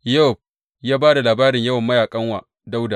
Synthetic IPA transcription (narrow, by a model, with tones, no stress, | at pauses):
jo˦˨p̚ | jaː˦baː˦da˨laː˨baː˦ɾɪ˨ɲjɐ˦wɐ˨mːɐ˦jaː˨kʼɐ˦ŋwa̰ː˨ | da˦wda˨